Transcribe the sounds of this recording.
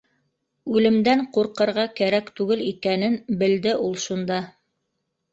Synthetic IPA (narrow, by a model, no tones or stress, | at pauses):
ʉlɘ̆md̪æɴquɾqɤ̆ɾʁɑkæɾækt̪ʉɡɘlikænɘnbɘ̆ld̪ɘʔulˠʃund̪ɑ